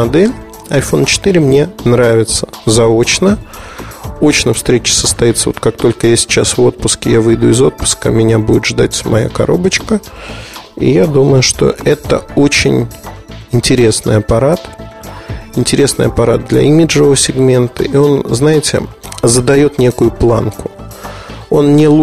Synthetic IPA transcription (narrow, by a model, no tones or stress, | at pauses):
ɐd̪ɛlʲ | ɐjfo̞nt͡ɕɪ̥t̪ɨɾʲɪmnʲe̞nɾavʲɪt̪sə̥zɐot͡ɕnə | o̞t͡ɕnəfst̪ɾʲet͡ɕɪ̥səst̪ɐit̪səvo̞̰t̪̚kak̚t̪o̞lʲkəjasʲɪ̥t͡ɕasvo̞t̪̚pʊskʲɪjavɨjd̪uɪzo̞t̪̚pʊ̥skə̰mʲɪnʲabudʲɪt̪ʐd̪atʲmɐja̰kɐ̰ɾo̞bət͡ɕkə | ḭjad̪uməjʊʂt̪o̞̰ʔɛt̪ə̰o̞t͡ɕɪ̰nʲɪnʲtʲɪɾʲe̞snɨ̰jɐpɐɾat̪ | ɪnʲtʲɪɾʲe̞snɨ̰jɐpɐɾad̪̚d̪lʲɐ̰imʲɪdʐɨvəsʲɪɡmʲe̞nt̪ə̰io̞nznajɪtʲɪ̰zəd̪ɐjo̞t̪nʲe̞kʊjʊplˠa̰nkʊ | o̞nnʲɪlˠ